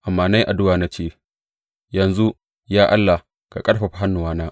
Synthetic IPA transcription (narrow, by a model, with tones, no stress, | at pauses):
ʔa˨mːaː˨na˦jʔa˨dʊ˦waː˨na˦t͡ʃeː˦˨ | jɐ˨nzu˦ | jaː˦ʔa˦lːa˨ | ka̰˨kʼɐ˦ɽɸa˨ɸa˦ɦa˦nːʊ˨waː˦naː˦ʔ